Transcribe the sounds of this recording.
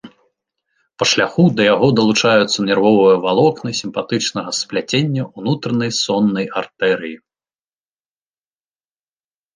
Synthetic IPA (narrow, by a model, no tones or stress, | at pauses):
pɐʂlʲaxud̪ɐjaɣɔd̪ɐlˠut͡ʂajut̪sːɐnʲɛrvɔvɐjɐvalˠɔknɨsʲimpat̪ɨt͡ʂnɐɣɐsplʲat͡sʲenʲːɐʔunut̪ɾɐnɐjsɔnːɐjart̪ɛɾɨji